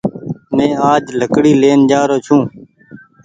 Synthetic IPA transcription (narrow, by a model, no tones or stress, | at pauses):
mẽːaːd͡ʒləkɽiːleːnd͡ʒaːɾoːt͡ʃʰũː